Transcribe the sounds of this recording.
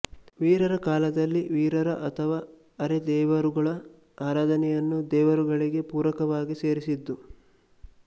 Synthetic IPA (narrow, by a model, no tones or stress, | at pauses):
ʋiːɾɐɾɐkaːlɐd̪ɐlːiʋiːɾɐɾɐʔɐt̪ʰɐʋaː | ɐɾed̪ɛːʋɐɾuɡɐɭɐ | aːɾaːd̪ʱɐnɛjɐnːud̪ɛːʋɐɾuɡɐɭiɡe̞puːɾɐkɐʋaːɡiseːɾisid̪ːu